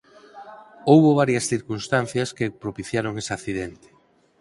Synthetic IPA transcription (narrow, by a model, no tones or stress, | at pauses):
owβoβ̞aɾjɐsθiɾkunst̪an̟θjɐskepɾopiθjaɾoŋesaθiðent̪ɪ̥